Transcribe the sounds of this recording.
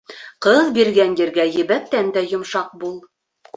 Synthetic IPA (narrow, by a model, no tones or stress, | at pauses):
qɤðbiɾɡænjɘ̆ɾɡæjɘ̆βæk̚t̪ːænd̪æjŏmʃɑq̚bulˠ